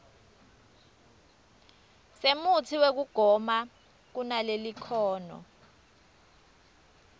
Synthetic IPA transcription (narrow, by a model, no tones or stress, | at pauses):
semutʰiwek̬uɡ̥ʱɔma | k̬unalelikʰɔːnɔ̰